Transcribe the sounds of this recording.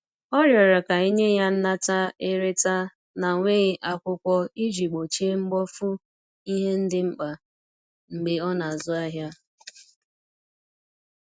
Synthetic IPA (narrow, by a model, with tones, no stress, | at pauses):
ɔ˦ɾjɔ˨ɾa˨ka˨i˦ɲe˦ja˦n̩˦na˦ta˦e˦ɾe˦ta˦ | na˨ŋʷe˦ɪ˦ʔa˦kʷʊ˦kʷɔ˦i˦d͡ʒi˨ɡ͡bo˨t͡ʃe˦ŋ͡m̩˦ɡ͡bɔ˦fu˦ | i˦ɦe˦n̩˦dɪ˦ŋ͡m̩˦k͡pa˨ | ŋ͡m̩˨ɡ͡be˦ɔ˦na˨zʊ˦a˦ɦja˦